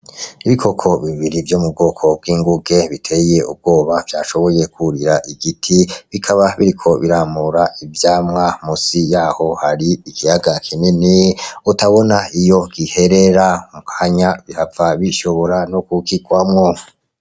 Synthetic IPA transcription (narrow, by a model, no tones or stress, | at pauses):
iβikʰo̞kʰo̞βiβiɾivjomub̚ɡo̞ːkʰo̞b̚ɡiːŋɡuɡe̞βitʰeje̞ub̚ɡo̞ːβavjaːʃo̞βo̞je̞kuɾiɾaʔiɡitʰiβikʰaβaβiɾikʰo̞βiɾamuɾaʔivjaːmŋamusijaːho̞haɾiikijaɡakʰininiutaβo̞naijo̞ɡ̥ihe̞ɾe̞ɾaumukʰaɲaβihavaβiʃo̞βo̞ɾanokukikwamŋo̞